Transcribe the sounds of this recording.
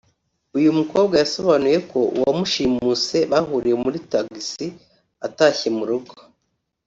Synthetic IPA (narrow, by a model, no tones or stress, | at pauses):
ujumuko̞ːbɡajaso̞βanuje̞kʰo̞uwamuʃimuːt͡se̞βaɦuɾije̞muɾitaɡisi | ataçimuɾuɡo̥